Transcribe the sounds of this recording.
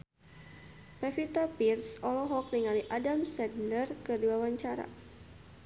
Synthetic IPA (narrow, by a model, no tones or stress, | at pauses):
pɛfit̪apirsɔlɔɦɔk̚niŋaliʔadamsɛddərkɨrduawaɲt͡ʃaɾa̰